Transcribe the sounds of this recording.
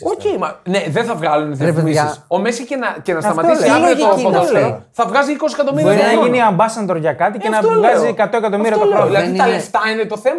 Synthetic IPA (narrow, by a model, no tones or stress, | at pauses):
oemɐneðenθɐvɣɐlunðemisisomesçicenɐcenɐst̪ɐmɐt̪isleooðoseθɐvɣɐziikosisekɐt̪̬obiɾjboɾinɐʝiniɐmbɐsɐnd̪oɾʝɐkɐt̪icenɐɣɐziekɐt̪oekɐt̪o̞miɾiɐt̪oɾoilɐðit̪ɐleft̪ɐinet̪oθemɐ